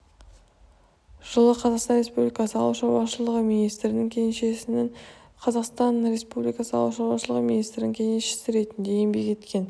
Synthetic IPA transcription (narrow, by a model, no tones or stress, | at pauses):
ʒ̥əlˠəqʰɑzɑqst̪ɑnɾʲe̞spublʲijkɑsəɑ̰lˠɑuʃɑɾwɑʃəlˠəʁəminijst̪ɾɪnɪŋkʲʰe̞ŋeʃesnɪ | qʰɑzɑqst̪ɑnɾe̞spublijkɑsəɑ̰lˠuwʃɑɾwɑʃəlˠəʁəminijst̪ɾɪnɪŋʲkʲʰe̞ŋeʃe̥sɪɾe̞t̪ɪnd̪e̞jembe̞kʲʰe̞t̪kʲʰe̞n